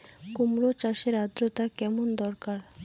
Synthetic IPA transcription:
kumɾot͡ɕaʃeɾad̪ɾot̪akɛmond̪ɔɾkaɾ

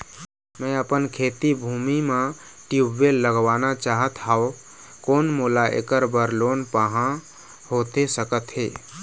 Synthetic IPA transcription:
mə̃əpənkʰet̪ibʱumime | ʈiubːelːəɡʋanat͡ʃaɦət̪ɦao | koːnmulaʔḛkəɾbəɾlonpaɦã | hot̪esəkət̪ɦḛ

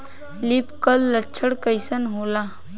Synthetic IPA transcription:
lipkəlːət͡ʃʰəɽkəjsənɦola

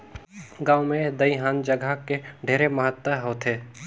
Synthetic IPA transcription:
ɡãːʊmẽd̪əiɦaːnd͡ʒəɡʱakeɖʱeːɾeməɦət̪wəɦoːt̪ʰe

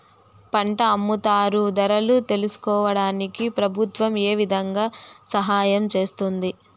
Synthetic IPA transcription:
pɐɳʈɐːmːut̪aːɾud̪ɐɾɐlut̪e̞lusu̥kɔːʋɐɽaːnikipɾɐbʱut̪ʋɐmeːʋid̪ʱɐŋɡaːsɐɦaːjɐmt͡ʃe̞ːst̪und̪i

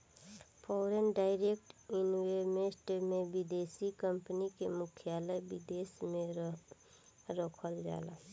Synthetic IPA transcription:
pʰɔːɾenɖaːɪɾek̚ʈɪnwemesʈmẽbid̪esikəmpənikemʊkʰjaːləjbɪd̪eːsmẽ | ɾɔkʰəld͡ʒa̰ːla̰

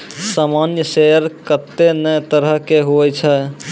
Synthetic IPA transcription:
samanjəsejəɾkət̪ːenəjt̪əɾəɦkeɦoɛt͡ʃʰɛ

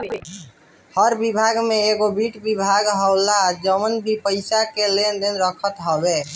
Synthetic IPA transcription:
həɾbibʱaɡmeeɡobiʈbibʱaɡɦəwlad͡ʒəmənbʱipəɪsakelend̪enɾəkʰət̪ɦəbe

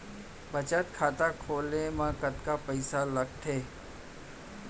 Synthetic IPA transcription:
bət͡ʃət̪kʰaːt̪akʰoːlemãkət̪kapəɪsaləɡ̚ʈ̪ʰeː

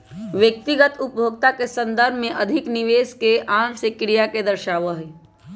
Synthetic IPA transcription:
ʋjək̚t̪ɪɡət̪ʊpjʱoːɡ̚t̪akesə̃nd̪əɾbʱmẽʔɐd̪ʱɪknɪʋeːskeʔaːmsekɾijaked̪əɾʃaːʋəɦɛ

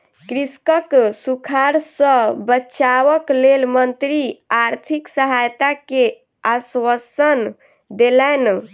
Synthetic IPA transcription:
kɾiskəksukʰaɾsə̃bətːʃaʋəklelmənt̪ɾiaɾt̪ʰiksəɦajt̪ake | aswəsən | d̪elɛn

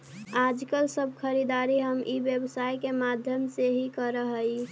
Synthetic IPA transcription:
ad͡ʒkəlsəbʱkʰəɾid̪aɾiɦəmʔibjəbsaikemad̪ʱjəmseɦikəɾəɦəi

